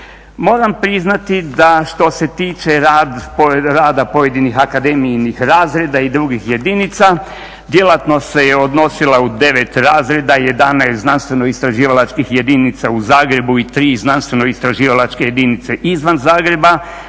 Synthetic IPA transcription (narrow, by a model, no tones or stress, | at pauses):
mo̞ːɾampɾiznat̪id̪aʃt̪o̞se̞t̪iːt͡ʃe̞ɾad̪poɾaːd̪apo̞je̞d̪inixakad̪eminixɾaːzɾe̞d̪aid̪ɾuɡixje̞d̪init̪sa | d̪je̞lat̪no̞se̞jeo̞d̪no̞silaud̪e̞ʋet̪ɾaːzɾe̞d̪aje̞d̪anajst̪znanst̪ʋe̞no̞ist̪ɾaʒiːʋalat͡ʃkixje̞d̪init̪sauzaːɡɾe̞buit̪ɾiːznanst̪ʋe̞no̞ist̪ɾaʒiːʋalat͡ʃkeje̞d̪init̪seʔizʋanzaːɡɾe̞ba